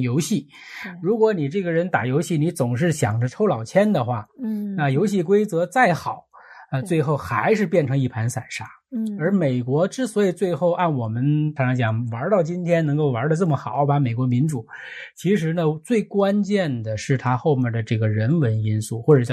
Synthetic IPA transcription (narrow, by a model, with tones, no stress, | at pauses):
jo˧˥ʊɕi˥˩ | ɻu˧˥kwɔ˧˥ni˨˩ʈ͡ʂɤ˥˩ɡə˩ɻə˧˥nt̪a̰˨˩jo˧˥ʊɕi˥˩ni˧˥t͡sʊ˨˩ŋʂ̬ɻ̩˥˩ɕjɑ˨˩ŋdə˦ʈ͡ʂʰo˥ʊlɑ˨˩ʊt͡ɕʰjɛ˥nd̪ə˨xwa˥˩na˥˧jo˧˥ʊɕi˥˩k̬we˥ɪt͡sɤ˧˥t͡sa˥˩ɪxɑ˨˩˦ʊ | ə˧t͡swe˥˧ɪxo˥˩ʊxa˧˥ɪʂ̬ɻ̩˥˧pjɛ˥˩nʈ͡ʂʰɤ˧˥ŋi˥˩pʰa˧˥nsa˨˩ɪʂa˥ | ə˞˧˥me˨˩ɪkwɔ˧˥ʈ͡ʂɻ̩˥swɔ˧˥i˨˩t͡swe˥˧ɪxo˥˧ʊʔa˥˩nwɔ˨˩mə˦nt̪ʰa˥ʈ͡ʂɑ˧˥ŋt͡ɕjɑ˨˩ŋwa˧˥t̪ɑ˥˩ʊt͡ɕi˥nt̪ʰjɛ˥nɤ˧˥ŋko˥˩ʊwa˧˥də˧ʈ͡ʂɤ˥˩mə˩xɑ˨˩˦ʊba˧˥me˨˩ɪkwɔ˧˥mi˧˥nʈ͡ʂu˨˩˦t͡ɕʰi˧˥ʂ̬ɻ̩˧˥nə˧t͡swe˥˩ɪkwa˥nt͡ɕjɛ˥˩nd̪ə˩ʂɻ̩˥˩t̪ʰa˥xo˥˧ʊmjɛ˥˧˩nd̪ə˩ʈ͡ʂɤ˥˩ɡə˩ɻə˧˥nwə˧˥ni˥nsu˥˩xwɔ˥˩ʈ͡ʂɤ˨˩˧